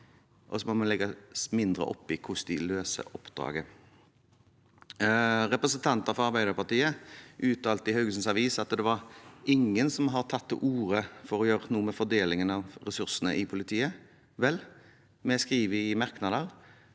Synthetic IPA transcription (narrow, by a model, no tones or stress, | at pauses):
ʔɔsɔmɔmɑnlɛɡːɑsmɪnd̪ɾə̰ʔɔ̰pːɪkʰʊsd̪ɪløːsə̰ʔɔpːd̪̥ɾɑ̰ːɡə | ʁɛpɾəsənt̪ʰɑnt̪əɾfɔɾɑɾbæɪd̪əɾpɑt̪iːəʔʉːt̪ɑːlt̪ɪhœʉɡlsən̩sɑʋiːsɑt̪d̪ɛʋɑʁɪŋːənsɔmɦɑʁt̪ʰɑt̪ːʔuːɾəfɔɾɔjøːɾənuːəmɛfɔd̪eːlɪŋənɑʋɾɛsʉʁsənəʔɪpʰʊlɪt̪ʰiːə | ʋɛlː | mɛskʁiːʋəɪmɑʁknɑd̪əʁ